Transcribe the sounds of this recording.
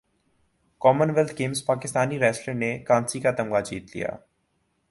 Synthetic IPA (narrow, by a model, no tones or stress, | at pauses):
kɔːmənʋɛlt̪ʰɡẽːmspaːkɪst̪aːniɾɛːsʈəɾnekãːnsikat̪ɐmɡad͡ʒiːt̪lḭja̰ː